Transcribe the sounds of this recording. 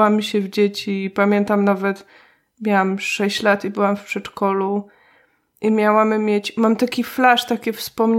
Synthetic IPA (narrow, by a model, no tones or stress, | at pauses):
amʲɕɛvd͡ʑet͡ɕiːpamʲjɛnt̪amnavɛt̪ | mʲjawamʂɛɕt͡ɕlat̪ibɘwamfpʂɛt͡ʂkɔlu | ʔimʲjawamːʲjet͡ɕmamt̪akʲiflaʂt̪akʲɛfspɔmɲ